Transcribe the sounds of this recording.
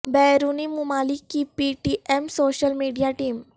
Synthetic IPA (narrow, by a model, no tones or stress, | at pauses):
bɛɾunimumalikːipiʈiʔemsoɕəlmiɖijaʈiːm